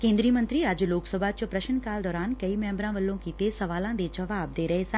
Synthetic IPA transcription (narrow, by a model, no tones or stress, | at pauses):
kẽːnd̪ɾijəmə̃nt̪ɾiad͡ʒloːksəbʱat͡ʃopɾɐʃənkaːld̪ɔːɾaːnkɐimɛ̃ːmbɾãʋɐlːõkit̪esɐʋaːlãd̪ed͡ʒɐʋaːb̚d̪eːɾɐɦesã